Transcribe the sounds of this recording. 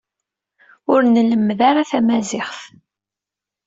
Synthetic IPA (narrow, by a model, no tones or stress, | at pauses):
ʊɾnləmːðaɾaθæmæzɪχθ